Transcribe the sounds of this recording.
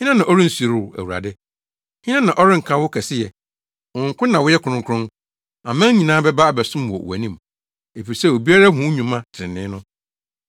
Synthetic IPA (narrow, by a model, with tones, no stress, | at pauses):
hɪ̃˦nã˦nã˨ɔ˦ɾɪ̃˦n̩˨sɾæ̰˨wu˨ɾa̰˨dɪ˦ | hɪ̃˦nã˦nã˨ʔɔ˦ɾɪ̃˦ŋ̩˨kʰã˦wʊ˦kʰɛ˨sɪ˦jɛ˨ | wɔ̃˨ŋ̩˨kʰʊ˦nːã˨wʊ˦jɛ˦kʰʊ˨ʊ̃˨kʰʊ̃˦n | a˨mɛ̃˦ɲ˦ɲĩ˨nãː˦bɛ˦ba˦˨bɛ˨sʊ̃˦m˨wɔ̰˨æ̰˨nĩ˦m | e˨fi˨ɾi˨sɛ˦˨o˨bi˦a˦ɾa˦ɦʊ̃˨˦ɲũ˨mã˦tʰɪ˨ɪ̃˨nɪ̃ː˦nʊ̃˦